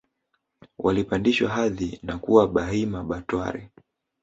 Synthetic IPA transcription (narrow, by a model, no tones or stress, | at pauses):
wʔalipandiʃwaɦaðinakuwaɓaɦimaɓatwa̰ɾɛ